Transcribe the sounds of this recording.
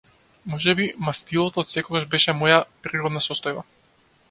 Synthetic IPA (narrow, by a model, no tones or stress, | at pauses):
mɔʒɛbimast̪ilˠɔt̪ɔːt̪sɛkɔɡaʒbɛʃɛmɔjapɾiɾɔd̪nasɔst̪ɔjba